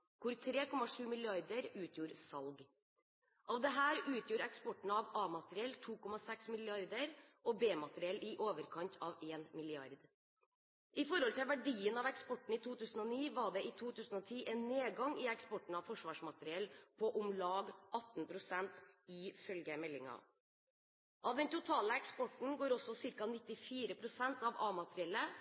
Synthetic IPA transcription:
kʰʊɾt̪ʰɾeːkʰɔmːɑʂʉːmɪlɪɑɾd̪əɾʉːt̪ʰjuːɾsɑlɡ | ʔɑʋd̪ɛɦæːɾʉːt̪ʰjuːɾɛkspɔʈːɳ̩ɑʋɑːmɑt̪əɾɪɛlt̪ʰuːkɔmɑsɛksmɪlɪɑɾd̪əɾʔɔbeːmɑt̪əɾɪɛlɪʔoːʋəɾkʰɑnt̪ʰɑːʋeːnmɪlɪɑɾd̪ | ɪfɔɾhɔlt̪ɪlʋæɖiːənɑʋɛkspɔʈːɳ̩it̪ʰuːt̪ʰʉːsən̩ɔniːʋɑɖɛʔɪt̪ʰuːt̪ʰʉːsn̩ɔt̪ʰiːʔɛnːeːɡɑŋɪɛkspɔʈɳ̩ɑʋfɔʂʋɑːʂmɑt̪əɾɪɛlpʰɔʔʊmlɑːɡʔɑt̪npʰɾʊsɛnt̪ɪfœlɡəmɛlːɪŋɑ̰ | ʔɑʋd̪ɛnt̪ʊt̪ʰɑːləɛkspɔʈn̩ɡoːɾɔsɔsɪɾkɑnɪt̪ːɪfiːɾəpʰɾʊsɛnt̪ʰɑʋɑːmɑt̪ɾɪɛlːə

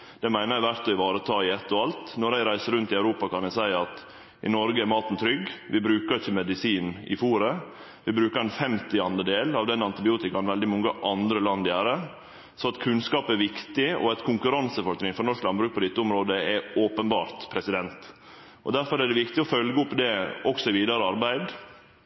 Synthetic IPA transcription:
d̪̥ɛmæɪnəɾæɪʋæɾt̪ɔɪʋɑːɾət̪ʰɑːɪɛt̪ːɔɑlt̪nɔɾæɪɾæɪsəɾʉnt̪ɪæʉɾuːpɑkʰɑnɛɪsæɪɑt̪ | ʔɪ̰nɔɾɡəæɾmɑːt̪n̩t̪ʰɾʏɡʋɪbɾʉːkəɾɪçːəmɛd̪ɪsiːnɪ̰fuːɾə | ʋɪbɾʉːkəɾɛnfɛmt̪ɪɑnd̪əd̪eːlɑʋd̪ɛnɑnt̪ɪbɪuːt̪ɪkɑnʋɛld̪ɪmɔŋːəʔɑnd̪ɾəlɑnd̪jæːɾə | sɔɑt̪kʰʉnskɑːpæɾʋɪkt̪ɪɔ̰ɛt̪kʰʊŋkʉɾɑnsəfɔɾt̪ɾɪŋfɔɾnɔʂklɑnbɾʉːk̚pɔd̪ɪt̪ːəʊmɾoːd̪əɛoːpənbɑ̰ːɾt̪pʰɾɛsɪd̪ɛnt̪ | ʔɔd̪æɾfɔɾæɖ̪ɛʋɪkt̪ɪɔfœlɡəʊpːd̪ɛɔksɔɪʋiːd̪ɑɾəɑɾbæɪd̪

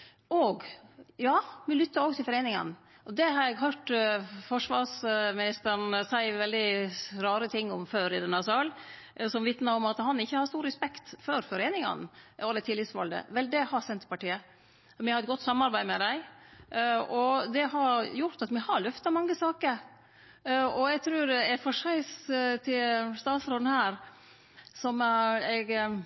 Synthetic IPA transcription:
ʔɔɡjɑːmɪlʏt̪ːəɾɔːɡt̪ʰɪlfɔɾeːnɪŋɑ̰n | ɔd̪ɛhɑɾjɛɡɦøːʈfɔʂʋɑɾsmɪnɪst̪əɳ̩sæɪʋɛld̪ɪɾɑːɾət̪ʰɪŋːɔmføːɾɪd̪ɛnɑsɑːl | sɔmʋɪt̪nɑɾɔmɑt̪hɑnɪçːəhɑɾst̪uːɾːəspɛkt̪fɔɾfɔɾeːnɪŋɑ̰nɔd̪ɛt̪ʰɪlːɪt̪sʋɑ̰ld̪ə̰ʋɛld̪ɛhɑɾsɛnt̪pɑʈiːə | mɪhɑɾɛt̪̚ɡɔt̪ːsɑmːɑɾbæɪd̪mɛd̪æɪ | ɔd̪ɛhɑɾjʊɾt̪ɑt̪mɪhɑɾɭœft̪ɑmɑŋːəsɑːkəɾ | ɔɛɡt̪ʰɾʉːɾɛɛfɔʂæɪst̪ʰɪlst̪ɑːt̪sɾoːd̪n̩hæːɾ | sɔmɛɡ

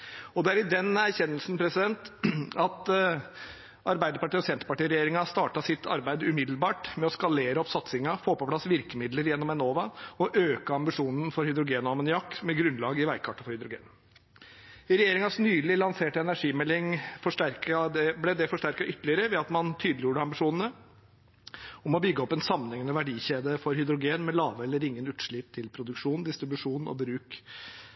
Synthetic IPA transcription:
ɔd̪ɛæɾɪd̪ɛnæɾçɛnːəlsn̩pʰɾɛsɪd̪ɛnt̪ɑt̪ | ɑɾbæɪd̪əɾpɑʈiːɔsɛnt̪ɾəpɑʈiːɾɛjeːɾɪŋɑst̪ɑːʈɑsɪt̪ʰːɑ̰ɾbæɪd̪ʉmɪd̪lbɑːʈmɛɔskɑleːɾəɔpsɑt̪sɪŋɑfoːpɔplɑsʋɪɾkəmɪd̪ləɾjɛnːɔmɛnoːʋɑɔʔøːkəɑmbɪʂuːnən̩fɔɾhʏd̪ɾʊɡeːnɔɑmənʏjɑkːmɛɡɾʉnlɑːɡɪʋæɪkʰɑʈːɑ̥fɔɾhʏd̪ɾʊɡḛːn̩ | ɪɾɛjeːɾɪŋɑsnyːlɪlɑnseːʈəɛnæʂiːmɛlːɪŋfɔʂʈæɾkɑd̪ɛblɛd̪ɛfɔʂʈæɾkɑʔʏt̪ːəlɪəɾəʋɛɑt̪mɑnt̪ʰyːd̪lɪjuːɖəɑmbɪʂuːnn̩ə | ɔmɔbʏɡːəɔpːɛnsɑmːənɛŋːənəʋæɖiːçeːd̪əfɔɾhʏd̪ɾʊɡeːnmɛlɑːʋəɛlːəɾɪŋːənʉːt̪ʂɭɪpt̪ʰɪlpʰɾʊd̪ʉkʂuːnd̪ɪst̪ɾɪbʉʂuːnɔ̰bɾʉːk

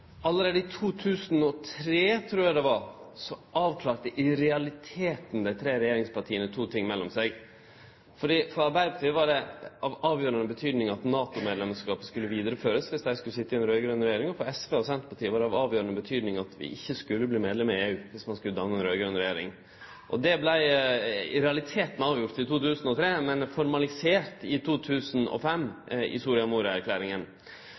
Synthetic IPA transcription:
ɑlːəɾeːd̪əɪt̪ʰuːt̪ʰʉːsnɔt̪ʰɾeːt̪ʰɾuːjɑd̪ɛʋɑɾsɔʔɑːʋkʰlɑːɾʈ̪əʔɪɾɛɑlɪt̪ʰeːt̪n̩d̪æɪt̪ʰɾeːɾɛjeːɾɪŋspʰɑʈʰiːənət̪ʰuːt̪ʰɪŋːmɛlːɔmsɛɪɡ | fɔɖiːfɔɾɑɾbæɪd̪əpʰɑtʈ̪iːəʋɑɖɛʔɑʋɑːʋjøːɾɑnəbət̪ʰyːd̪nɪŋɑt̪nɑːt̪ʊmeːd̪lɛmskɑːpə̥skʉlːəʋiːd̪əɾəføːɾəsʋɪsd̪æɪskʉəsɪt̪ːəɪɛnɾœːʏɡɾœnɾɛjeːɾɪŋɔfɔɾɛsʋeːɔsɛnt̪əpʰɑʈʰiːəʋɑɾɖɛɑʋɑːʋjøːɾɑnəbət̪ʰyːd̪nɪŋɑt̪ʋɪ̰ʔɪçːəskʉlːəbliːmeːd̪lɛməɪeːʉːʋɪsmɑnskʉləd̪ɑmnəɛnɾœːɡɾœnɾɛjeːɾɪ̰ŋ | ʔɔ̰d̪ɛblæɪ | ɾɛɑlɪt̪ʰeːt̪nɛɑːʋjʊɾt̪ːɪt̪uːt̪ʰʉːsn̩ɔt̪ʰɾeːmɛnfɔɾmɑlɪseːɾt̪ɪt̪ʰuːt̪ʰʉːsənɔ̰fɛmːɪ̰suːɾɪɑmuːɾəæɾkʰlæːɾɪŋən

